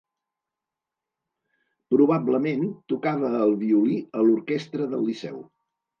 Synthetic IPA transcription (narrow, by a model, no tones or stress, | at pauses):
pɾuβabləment̪ukaβəːlˠβiuliəluɾkɛst̪ɾəðəlːisɛ̰w